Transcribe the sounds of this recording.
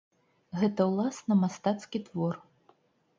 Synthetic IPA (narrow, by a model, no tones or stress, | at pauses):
ɣɛt̪ɐwlˠasnɐmast̪at̪skʲit̪vɔr